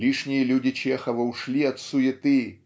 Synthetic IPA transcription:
lʲiʂnʲijɐlʲud͡zʲit͡ʃɛxɐvɐwʂlʲiɐt̪sujɪt̪ɨ

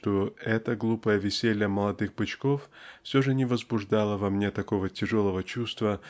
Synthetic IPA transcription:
t̪oɛt̪əɡlˠupəjəvʲɪsʲelʲjəməlˠɐd̪ɨxbɨt͡ɕkoffsʲoʐɨnʲɪvəzbʊʐd̪alˠəvɐmnʲet̪ɐko̞vətʲɪʐolˠəvət͡ɕust̪və

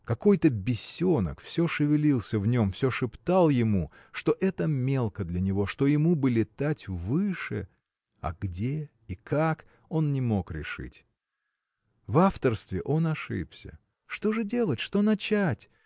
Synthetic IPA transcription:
kɐko̞jt̪əbʲɪsʲːonə̰kfsʲoʂɨvʲɪlʲilˠsʲəvnʲo̞mfsʲoʂɨpt̪alˠjɪmu | ʂt̪o̞ʔɛt̪əmʲe̞lˠkəd̪lʲɐnʲɪvo̞ʂt̪o̞jɪmubɨlʲɪt̪atʲvɨʂɨ̰ | ɐ̰ɡdʲe | ikʰak | o̞nnʲɪmo̞kɾʲɪ̰ʂɨ̰tʲ | vaft̪ərst̪vʲɪʔo̞nɐʂɨ̰psʲə̰ | ʂt̪o̞ʐɨdʲe̞lˠətʲʂt̪o̞nɐt͡ɕætʲ

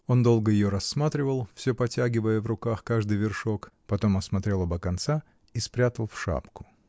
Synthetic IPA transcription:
o̞nd̪o̞lˠɡəjɪjoɾɐsːmat̪ɾʲɪvəlˠfsʲɵpɐtʲæɡʲɪvəjəvrʊkaxkaʐd̪ɨjvʲɪrʂo̞kpɐt̪o̞mɐsmɐt̪ɾʲe̞lˠɐbəkɐnt̪sa | ispɾʲat̪əlˠfʂa̰pkʊ̥

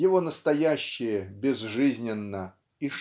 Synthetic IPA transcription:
jɪvo̞nəst̪ɐjæɕːɪjəbʲɪzʐɨzʲnʲɪnːə | i

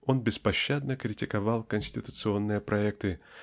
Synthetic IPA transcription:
o̞nbʲɪspɐɕːad̪nəkɾʲɪtʲɪkɐvɑlˠkənʲsʲtʲɪt̪ʊ̥t̪sɨo̞nːɨjəpɾʔɐɛk̚t̪ɨ

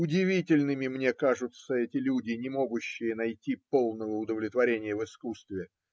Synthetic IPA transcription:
ʊdʲɪvʲitʲɪlʲnɨmʲɪmnʲe̞kaʐʊt̪səɛtʲɪlʲudʲɪnʲɪmo̞ɡʊɕːɪjənɐjtʲipo̞lˠnəvəʊd̪əvlʲɪt̪vɐɾʲenʲɪjəvɨskust̪vʲɪ

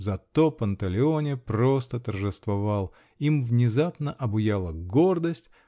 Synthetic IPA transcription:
zɐt̪o̞pənt̪ɐlʲɪonʲɪpɾost̪ət̪ərʐɨst̪vɐvalˠ | imvnʲɪzapnəʔɐbʊjalˠəɡord̪əsʲtʲ

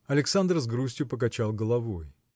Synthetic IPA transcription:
ɐlʲɪksand̪rzɡɾusʲtʲjʊpək̬ɐt͡ɕalˠɡəlˠɐvoj

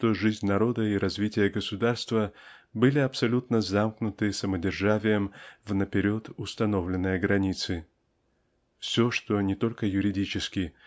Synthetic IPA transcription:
ʂt̪oʐɨzʲnʲnɐɾo̞d̪əiɾɐzvʲitʲɪjəɡəsʊd̪arst̪vəbɨlʲɪɐpsɐlʲut̪nəzamknʊt̪ɨsəmədʲɪrʐavʲɪjəmvnəpʲɪɾʲo̞t̪ʊst̪ɐno̞vlʲɪnːəjəɡɾɐnʲit̪sɨ | fsʲo̞ʂt̪o̞nʲɪt̪o̞lʲkəjʊɾʲɪdʲit͡ɕɪskʲɪ

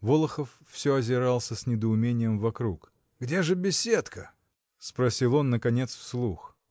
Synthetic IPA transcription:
volˠəxəfːsʲoɐzʲɪɾɑlˠsʲəsʲnʲɪd̪əʊmʲenʲɪjəmvɐkɾuk | ɡdʲeʐɨbʲɪsʲet̪kə | spɾɐsʲilˠo̞nːəkɐnʲe̞t̪sfslˠux

